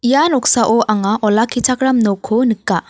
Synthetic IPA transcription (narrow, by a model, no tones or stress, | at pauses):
ijanɔksaʔɔʔaŋaʔɔlakʰit͡ʃʰakɾamnɔkʰɯnɯkːa